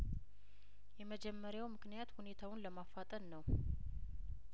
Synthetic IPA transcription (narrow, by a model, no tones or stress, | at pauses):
jɛməd͡ʒɛmːəɾjawmɨknijat̪hune̞t̪ʰawʊnləmafːat̪ʼənnəw